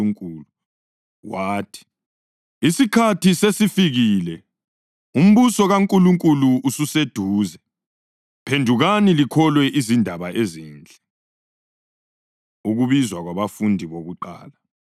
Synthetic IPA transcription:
uŋkʼuːlu | waːtʰi̥ | isikʰatʰisesifiɣilɛ | um̩βusɔɣaŋkʼuluŋkʼuluusused̥ʱuːzɛ | pʰendʱuɣanilikʰɔlwɛʔizindʱaβaʔeziːnd͡ɮʱɛ | uɣuβizwaɣwaβafundʱiβoɣuǃa̰ːla

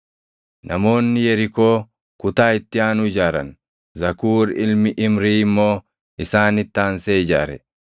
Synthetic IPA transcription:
nɐmo̞ːnːɪjɛɾɪko̞ː | kʊt̪aːɪt̪ːɪaːnʊɪd͡ʒaːɾɐ̰n | zɐkuːɾɪlmɪʔɪmɾiːɪmːo̞ː | ʔɪsaːnɪt̪ːaːnseːɪd͡ʒa̰ːɾɛ

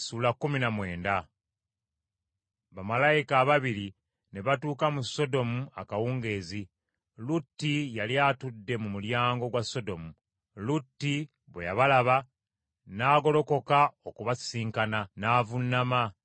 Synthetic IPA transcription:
suːlakːuminamwe̞ːnda | βamalajikaːβaβiɾi | ne̞βatuːkamuso̞do̞mua̰kawuːŋɡe̞ːzi | lutːijaljatudːe̞mumuljaːŋɡo̞ɡwasːo̞do̞mu | lutːi | βwḛjaβalaβa | naːɡo̞lo̞ko̞kaokuβasiːŋkananaːvunːama

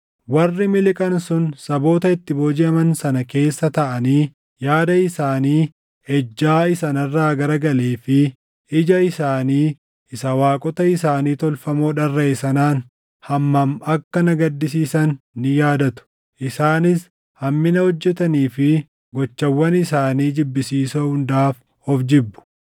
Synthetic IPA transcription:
wɐrːɪmɪlɪkʼɐnsʊnsɐbo̞ːt̪ɐɪt̪ːɪboːd͡ʒɪɐmɐnsɐnɐke̞ːsːɐt̪ɐʔɐniː | jaːd̪ɐɪsaːniː | ɛd͡ʒːaːɪsɐnɐrːaːɡɐɾɐɡɐleːfɪ | ɪd͡ʒɐɪsaːniː | ɪsɐwaːkʼɔt̪ɐɪsaːniːt̪ɔlfɐmoːᶑɐrːɐɪsɐnaːn | hɐmːɐmɐkːɐnɐɡɐd̪ːɪs̬iːsɐnːɪjaːd̪ɐt̪ʊ̥ | ʔɪsaːnɪs | hɐmːɪnɐhɔd͡ʒːɛt̪ɐniːfɪ | ɡɔt͡ʃːɐwːɐnɪsaːniːd͡ʒɪbːɪsiːsoːhʊnd̪aːf | hɔfd͡ʒɪbːʊ̥

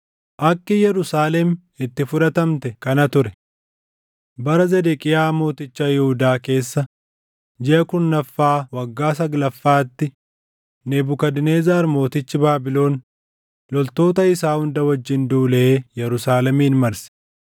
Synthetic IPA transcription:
ʔɐkːɪjɛɾʊsaːlɛm | ɪt̪ːɪfʊᶑɐt̪ɐmt̪ɛkɐnɐt̪ʊɾɛ | bɐɾɐzɛd̪ɛkʼɪjaːmo̞ːt̪ɪt͡ʃːaːjɪhʊd̪aːke̞ːsːɐ | d͡ʒɛʔɐkʊnːɐfːaːwɐɡːaːsɐɡlɐfːaːt̪ːɪ | nɛbʊkɐd̪ɪne̞ːzaːɾmo̞ːt̪ɪt͡ʃːɪbaːbɪlo̞ːn | lɔlt̪o̞ːt̪ɐɪsaːhʊnd̪ɐwɐd͡ʒːɪnd̪uːlɛeːjɛɾʊsaːlɛmiːnmɐɾsɛ̥

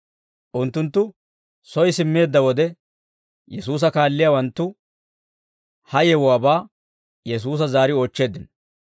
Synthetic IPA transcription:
ʔʊnt̪ːʊnt̪ːʊ | sɔjsɪmːe̞ːd̪ːɐwɔd̪ɛ | jɛsuːs̬ɐkaːlːɪjawɐnt̪ːʊ | hɐjɛwɔwaːbaː | jɛs̬uːs̬ɐzaːɾɪoːt͡ʃːe̞ːd̪ːɪn

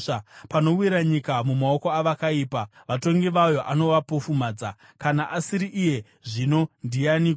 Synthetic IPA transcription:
apano̞wiɾaɲikamumao̞koaʋakaiːpaʋato̞ŋɡiʋajo̞ʔano̞ʋapo̞fumaːd͡za | kanaʔasiɾiʔije̞ | ʐino̞ndijani

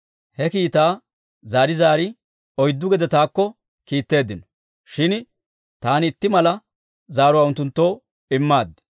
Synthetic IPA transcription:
hɛkiːt̪aː | zaːɾɪzaːɾɪ | ɔjd̪ːʊɡɛd̪ɛt̪aːkːɔ | kiːt̪ːe̞ːd̪ːɪnɔ̥ | ʃɪn | t̪aːnɪt̪ːɪmɐlɐ | zaːɾʊwaːʊnt̪ːʊnt̪ːo̞ː | ɪmːaːd̪ːɪ̥

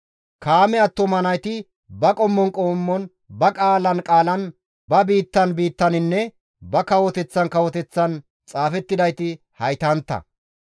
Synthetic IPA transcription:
kaːmɛɐt̪ːɔmɐnɐjt̪ɪ | bɐkʼɔmːɔnkʼoːmːɔn | bɐkʼaːlɐnkʼaːlɐn | bɐbiːt̪ːɐnbiːt̪ːɐnɪnːɛ | bɐkɐwɔt̪ɛt͡sːɐnkɐwɔt̪ɛt͡sːɐn | t͡sʼaːfɛt̪ːɪd̪ɐjt̪ɪ | hɐjt̪ɐnt̪ːɐ̰

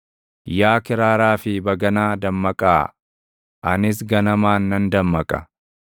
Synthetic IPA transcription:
jaːkɪɾaːɾaːfɪbɐɡɐnaːd̪ɐmːɐkʼa̰ː | ʔɐnɪs̬ɡɐnɐmaːnːɐnd̪ɐmːɐkʼɐ̰

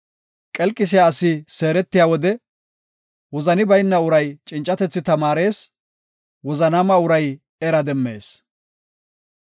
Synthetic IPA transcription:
kʼɛlkʼːɪs̬ɪjaːsɪse̞ːɾɛt̪ːɪjaːwɔd̪ɛ | wɔzɐnɪbɐjnːɐʊɾɐjt͡ʃʼɪnt͡ʃʼːɐt̪ɛt͡sːɪt̪ɐmaːɾe̞ːs | wɔzɐnɐmɐʊɾɐj | ɛɾɐd̪ɛmːe̞̰ːs

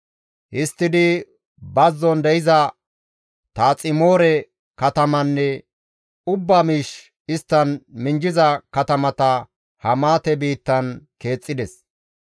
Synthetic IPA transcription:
ʔɪst̪ːɪd̪ɪ | bɐzːɔnd̪ɛjɪzɐ | t̪aːt͡sʼɪmoːɾɛ | kɐt̪ɐmɐnːɛ | ʊbːamiːʃ | ɪst̪ːɐnmɪnd͡ʒɪzɐkɐt̪ɐmɐt̪ɐ | hɐmaːt̪ɛbiːt̪ːɐnke̞ːt͡sʼːɪd̪ɛs

